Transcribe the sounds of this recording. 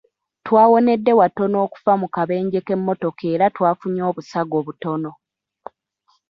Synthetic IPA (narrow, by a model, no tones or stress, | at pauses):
twaːwo̞ne̞dːe̞wato̞no̞ːku̥famukaβe̞ːɲɟe̞ke̞mːo̞to̞ke̞ːɾatwaːfuɲo̞ːβusaɡo̞ːβuto̞no̞